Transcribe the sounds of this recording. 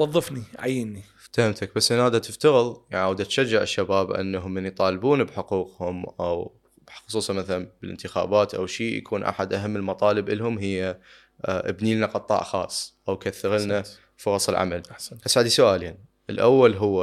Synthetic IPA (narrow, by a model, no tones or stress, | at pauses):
wɑðˤːɨfniʕa̰jːinːi | t̪ahamt̪ʰak̚basːʔɪnhaːd̪at̪ɪft̪aɣəðˤjaʕwəd̪ʔat̪ʃad͡ʒːɪʕɪʃːabaːbʔa̰nːaɦʊmːɪnjt̪ˤɑːlbuːnbħʊquːqhʊmʔaw | bxʊsˤuːsˤɑmaθalanbɪlʔɪ̰nt̪ɪxa̰ːbaːt̪ʔa̰wʃiːja̰kʰuːnʔa̰ħad̪ʔaɦamːəlmɑt̪ˤɑːlɪbʔəlːhʊmɦɪjːa | ʔɪ̰bniːlnaqɑt̪ˤːɑ̰ːʔxɑ̰ːsˤʔawkaθːɪɣɪlna | fʊɾˤɑsˤəlʕa̰malʔasʕɪd̪isʊʔaːlan | ʔəlʔawːalɦʊwːa